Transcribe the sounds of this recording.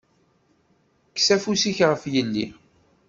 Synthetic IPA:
ksæfusiçʁəfjəlːḭ

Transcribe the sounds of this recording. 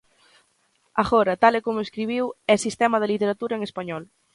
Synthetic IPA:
aɣɔɾɐt̪alekomʊeskɾiβ̞iwɛsist̪ɛmɐðelit̪eɾat̪uɾɐeŋespaɲɔl

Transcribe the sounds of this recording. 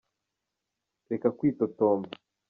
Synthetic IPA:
ɾekakwiːt̪otomba

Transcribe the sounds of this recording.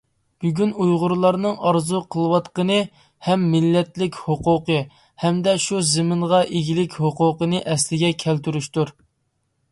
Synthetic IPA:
b̥yɡʲynujʁʊɾlˠɑɾnɨŋɑɾzuqʰəlˠɨwɑt̪qənɨ | hɛmːɪlːɛt̪lɪkʲhoqʊqə | hɛmd̪ɛʃuzɪmɪnʁɑʔeɡʲilɪkʲhoqʊqənɨʔɛslɪɡʲɛkʲʰɛlt̪yɾyʃt̪uɾ

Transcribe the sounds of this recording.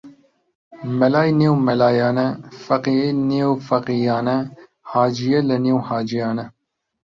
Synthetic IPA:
mɛlaːjneːwmɛlɑːjɑːnɛfɐqijeneːwfɐqijɑːnɛ | hɑːd͡ʒijɛlɛneːwhɑːd͡ʒijɑːnɛ

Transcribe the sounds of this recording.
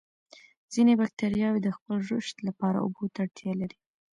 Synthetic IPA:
z̥inebak̚t̪aɾjɑwed̪əxpəlʒʊʃt̪lapɑɾa̰ʊ̰bot̪aɽt̪jɑlaɾi

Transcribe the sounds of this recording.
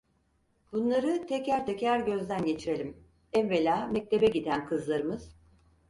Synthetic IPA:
bunlˠaɾɯt̪ʰɛcæɾt̪ʰɛcæɾɟø̞zd̪ænɟe̞t͡ʃʰiɾe̞lʲim | ɛnvelʲaːmɛc̚t̪ʰe̞bɛɟid̪ænkʰɯzlˠaɾɯmɯz̥

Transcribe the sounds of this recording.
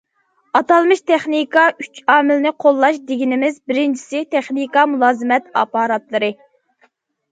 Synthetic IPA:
ɑt̪ɑlˠmɨʃt̪ʰɛχnikʰɑyt͡ʃɑːmɪlnɪqʰolˠːɑʃd̪ɪɡʲinɪmɪzbɪɾɪnt͡ʃʰi̥sɪt̪ʰɛχnikɑmulˠɑːzɨmɛt̪ɑ̰ːpɑːɾɑt̪lˠɨɾɨ

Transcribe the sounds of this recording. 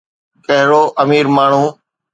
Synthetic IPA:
kəɦɾoːʔəmiːɾmaːɳ̤ũː

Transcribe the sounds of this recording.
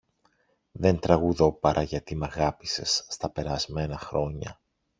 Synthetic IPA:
ðe̞nt̪ɾɐɣuðo̞pɐɾʔɐʝɐt̪imɐɣɐpise̞sːt̪ɐpe̞ɾɐzme̞nɐxɾo̞ɲɐ̰

